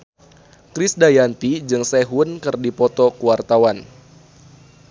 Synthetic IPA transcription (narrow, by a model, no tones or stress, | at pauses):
kɾisdajant̪id͡ʒɨŋsɛɦunkɨrdipɔt̪ɔkuwart̪awan